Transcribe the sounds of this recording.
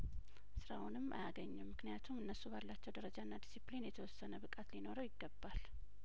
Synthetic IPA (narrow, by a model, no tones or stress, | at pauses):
sɨɾaunɨmːʔa̰jaɡəɲːɛmmɨknijat̪ʰumɨnːəsubalːat͡ʃːɛwd̪əɾəd͡ʒaɨnːad̪isiplinjɛt̪ʰəwɔsːənəbɨkʼat̪lino̞ɾəwjɪɡːəbːal